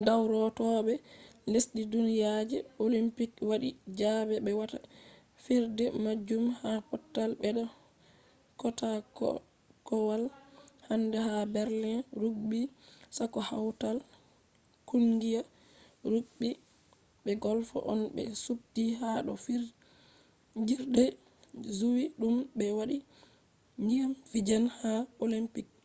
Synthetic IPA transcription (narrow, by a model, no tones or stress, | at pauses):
dawɾɔtɔɓɛlesɗidunijad͡ʒɛolimpikwaɗid͡ʒabɛɓɛwata | fiɾdɛmad͡ʒumhapɔtːalbɛɗɔ | kɔtak | kɔwalhandɛhabɛɾlinɾuɡ̚bisakɔhawtal | kunɡija | ɾuɡ̚ɓi | ɓɛɡɔlfɔ̰ʔɔnbɛ̰sub̚dihaɗɔfi | ɲd͡ʒiɾɗɛ | zuwiɗumbɛwaɗi | ɲd͡ʒiamfid͡ʒanhaolimpik̚